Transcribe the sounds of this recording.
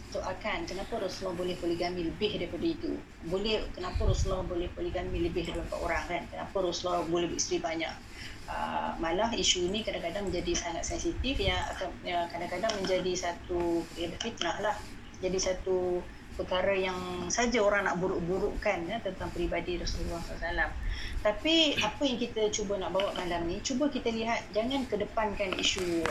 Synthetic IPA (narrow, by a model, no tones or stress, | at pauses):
t̪oʔakankənapəɾoslɔhbolɛhpoliɡamiləbɪhdaɾipadait̪ṵ | bolɛhkənapəɾoslɔhbolɛhpolɛɡamiləbɪhdalampa̰ʔoɾaŋkankəna̰pəɾoslɔhbolɛhbəist̪ɾibaɲa̰ʔ̚ | ə̰malaɦiʃunikadaŋkadaŋmə̃ɲd͡ʒadisaŋat̪̚sɛnsit̪ifjaa̰kaəkadaŋkadaŋmə̃ɲd͡ʒadisat̪upɾiodəfit̪̚nahlah | d͡ʒadisat̪u | pəkaɾəjaŋsad͡ʒaoɾaŋnaʔ̚buɾuʔbuɾuʔkanət̪ənt̪aŋpɾibadiɾasululahsaasalamt̪apiapəjaŋkit̪ət͡ʃubənaʔbawaʔmalamnit͡ʃubəkit̪əliɦat̪̚d͡ʒaŋãnkədəpankanḭʃu